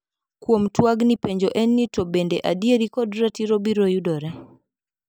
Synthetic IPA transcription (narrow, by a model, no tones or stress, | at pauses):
kwomtwaɡnipeɲd͡ʒoʔɛnːitobendeʔadieɾikɔdɾatiɾobiɾojudɔɾɛ